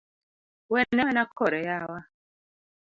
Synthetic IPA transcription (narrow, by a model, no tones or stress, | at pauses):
wɛnɛnakʰɔɾɛjawa